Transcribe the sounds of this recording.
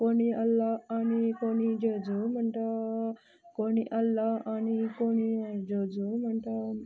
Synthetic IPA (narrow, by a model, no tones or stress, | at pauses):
koniɐlːaɐnikonid͡ʒoːd͡ʒumɐɳʈɐ | koniʔɐlːaɐnikonid͡ʒod͡ʒumɐɳʈɐ